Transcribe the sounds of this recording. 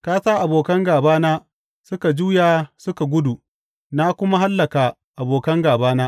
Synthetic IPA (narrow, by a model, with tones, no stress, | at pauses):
kaː˦saː˦ʔa˨boː˨kɐ˦ŋɡaː˨baː˦naː˦ | sʊ˦ka˨d͡ʒuː˦jaː˨sʊ˦ka˨ɡʷʊ˦du˨ | na˦kʷʊ˦ma˦ɦa˦lːɐ˨kaː˨ | ʔa˨boː˨kɐ˦ŋɡaː˨baː˦naː˦